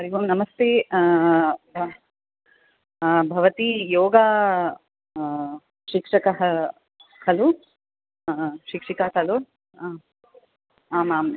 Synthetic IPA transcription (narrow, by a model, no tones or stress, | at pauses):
ɐɾiʋɐmnɐmɐst̪eː | bʱɐʋɐt̪ijoːɡaː | ʃikʂɐkɐɦɐ | hɐlu | ʃikʂikaːt̪ɐlu | aːmaːm